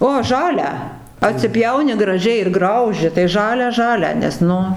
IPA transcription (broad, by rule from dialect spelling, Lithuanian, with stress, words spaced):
oː ˈʒɑːlʲæː ɐtʲsʲɪˈpʲjɛʊnʲɪ ɡrɐˈʒʲɛɪ ɪr ˈɡrɐʊʒʲɪ tɐɪ ˈʒɑːlʲæː ˈʒɑːlʲæː nʲɛs ˈnʊ